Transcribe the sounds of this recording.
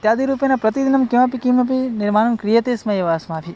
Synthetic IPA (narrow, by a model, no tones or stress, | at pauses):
t̪jad̪iɾupjenapɾɐt̪id̪inɐmkiʋapikimɐp̬inɪɾmanɐnkɾijɐt̪esmɐjeʋaːsmãp̪ʰi